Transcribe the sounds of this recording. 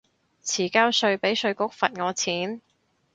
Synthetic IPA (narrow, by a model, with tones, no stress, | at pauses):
t͡sʰiː˨˩kaː˥wsɵ˧ɥpe˨˥jsɵ˧ɥkʊ˥k̚fɐ˨t̚ŋɔː˨˧t͡sʰiː˨˥n